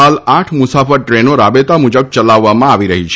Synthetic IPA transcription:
alaʈʰmʊsafəɾʈɾenoɾabet̪amʊd͡ʒəb̚t͡ʃəlaʋːamãaʋiɾəɦit͡ʃʰ

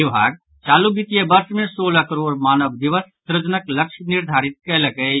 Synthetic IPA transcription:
ɪʋaːɡ̚ | t͡ʃaːluɡit̪ijebɐɾsmẽsoːləkəɾoːɾmaːnəʋd̪iʋəst̪ɾəd͡ʒnəklɐkʃnɪɾd̪ʱaːɾɪt̪̚kɛlɐkə

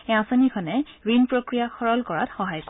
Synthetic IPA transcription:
ɛãsanikʰɔnɛɹinpɹokɹijaxʰɔɹɔlkɔɹa̰txɔɦajk

